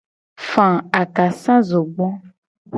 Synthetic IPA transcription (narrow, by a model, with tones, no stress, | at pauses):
fã˨a˨ka˨sã˦zo˨ɡ͡bɔ̃˦